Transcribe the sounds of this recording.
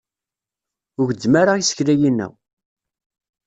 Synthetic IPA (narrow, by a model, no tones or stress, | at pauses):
ʊɡəd̪ːmaɾajisə̥çlæjinːæ̰